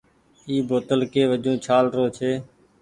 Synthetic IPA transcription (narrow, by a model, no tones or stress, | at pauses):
iːboːt̪əlkeːʋəd͡ʒũːt͡ʃʰaːlɾoːt͡ʃʰeː